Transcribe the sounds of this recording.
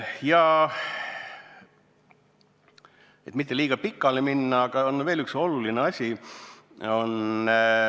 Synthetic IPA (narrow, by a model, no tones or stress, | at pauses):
jɑ | e̞t̪mit̪ːe̞liːɡ̥ɑpikːˑɑleminːɑːɡ̥ɑonːve̞ːlykso̞lulineɑsʲi | o̞n